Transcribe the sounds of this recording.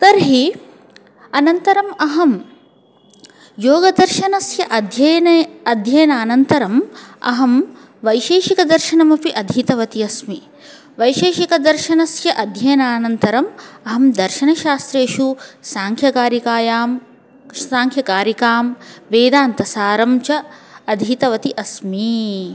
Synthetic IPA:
t̪ɐɾɦi | ɐnɐnt̪ɐɾɐmɐɦɐm | joːɡɐd̪ɐɾʃɐnɐsjɐʔɐd̪ʱjɐjɐnɐɐd̪ʱjɐjɐnaːnɐnt̪ɐɾɐmɐ̰ɦɐm | ʋɐjʃeːʃikɐd̪ɐɾʃɐnɐmɐpiʔɐd̪ʱiːt̪ɐʋɐt̪ijɐsmi | ʋɐjʃeːʃikɐd̪ɐɾʃɐnɐsjɐʔɐd̪ʱjɐjɐnaːnɐnt̪ɐɾɐmɐɦɐmd̪ɐɾʃɐnɐʃaːst̪ɾeːʃusaːŋkʰjɐkaːɾjɐkaːjaːm | aːŋkʰjɐkaːɾjɐkaːmʋeːd̪aːnt̪ɐsaːɾɐmt͡ʃɐːd̪ʱiːt̪ɐʋɐt̪iʔɐsmi

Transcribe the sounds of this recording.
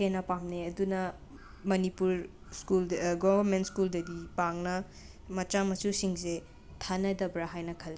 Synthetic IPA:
enɐpamneɐdunɐ | mɐnipuɾ | skulɡobɐɾmentskuldɐdipaŋnɐ | mɐt͡ʃamɐsusiŋse | tʰanɐdɐbɾaɦajnɐkʰɐlːe

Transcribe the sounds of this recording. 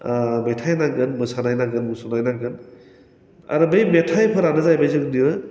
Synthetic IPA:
metʰajnaɡɯnmɯsanajnaɡɯnmusunajnaɡɯn | a̰ɾɯbɯjmetʰajpʰɯɾanɯzajbajzɯŋniɯ

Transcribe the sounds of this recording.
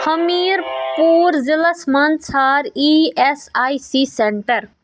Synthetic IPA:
həmiːɾpuːɾzɪləsmɐnsʰaːɾiesaːisiseɳʈəɾ

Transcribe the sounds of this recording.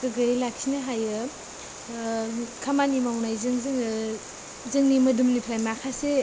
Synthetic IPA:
ɡɯɡɯjlak̚sinɐɦajɯ | kʰamanimawnajzɯŋzɯŋ | zɯŋnimɐdumnipʰɾajmakʰase

